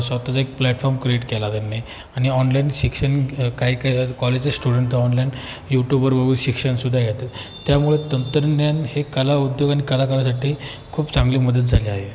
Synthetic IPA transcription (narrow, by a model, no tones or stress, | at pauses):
sʋat̪at͡saek̚plæʈfɔɾmkɾieʈkɛlad̪ənːe | aɽ̃iɔnlainɕikʂənkaɦiːkaikɔled͡ʑt͡sasʈuɽəɳʈaɔnlain | juʈjubəɾʋəɡuːɕikʂənsud̪ʱːajɛt̪ət̪jamuɭet̪ənt̪ɾnjanhekəlaud̪joɡaɽ̃ikəlakəlas̬aʈʰiː | kʰuːpt͡sãŋɡliːməd̪ət̪̚d͡zʱaliaɦe